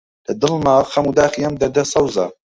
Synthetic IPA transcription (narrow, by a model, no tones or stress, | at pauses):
d̪̥ɐd̪ɨlmaχɐmud̪aːχijɐmd̪ɐd̪ɐsɐwza̰